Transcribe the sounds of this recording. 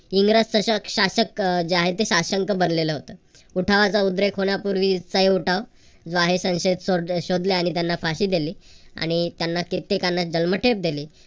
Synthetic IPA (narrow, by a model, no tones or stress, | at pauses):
iŋɡɾassəɕəkɕaɕəkd͡ʑeaɦet̪eɕaɕəŋkəbənleləɦot̪əː | uʈʰaʋat͡saud̪ɾekʰɦonjapuɾʋit͡səɦeuʈʰaʋ | d͡zoaɦesə̃w̃ɕed̪soɕod̪leaɽ̃it̪janːafaɕiːd̪eliːa̰ɽ̃it̪janːakit̪ːekanːad͡ʑəlməʈʰep̚d̪eliː